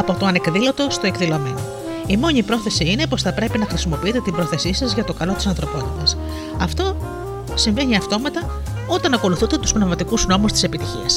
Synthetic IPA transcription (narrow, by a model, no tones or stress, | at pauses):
ɐpo̞t̪o̞ɐne̞kðilo̞t̪o̞st̪oe̞kðilo̞me̞no | imo̞ɲipɾo̞θe̞siine̞po̞sθɐpɾe̞pinɐxɾisimo̞piit̪e̞t̪imbɾo̞θe̞sisɐzʝɐt̪o̞kɐlo̞t̪i̥sɐnθɾo̞po̞t̪it̪ɐs | ɐft̪o̞ | siɱve̞niɐft̪o̞mɐt̪ɐ | o̞t̪ɐnɐko̞luθund̪e̞t̪uspnevmɐt̪ikuzno̞must̪i̥se̞pit̪içḭɐs